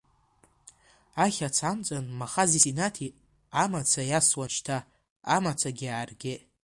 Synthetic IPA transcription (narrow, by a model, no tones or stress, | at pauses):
aχʲat͡sʰamt͡sʼanmaχazisinatʰi | amat͡sʰajaswaʃtʰaː | mat͡sʷʰaɡʲiaːrɡʲe